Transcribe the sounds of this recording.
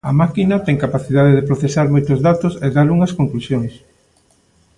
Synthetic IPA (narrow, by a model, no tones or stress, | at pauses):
ɐmakinɐt̪ɛŋkapaθiðaðeðepɾoθesaɾmojt̪ozðat̪oseðaɾuŋɐskoŋklusjoŋs